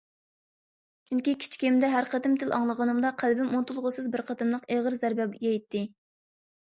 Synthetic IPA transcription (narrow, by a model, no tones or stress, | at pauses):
t͡ʃʰyŋkʲikʲʰi̥t͡ʃʰkʲimd̪ɛɦæɾqʰɑt̪ɪmt̪ʰɪlʔɑŋlˠəʁɑnɨmd̪ɑqʰælbɪmunt̪ʰulˠʁʊsɨzbɪɾqʰɑt̪ɨmlˠəqeʁəɾzæɾbɛbjɛjt̪ʰːɪ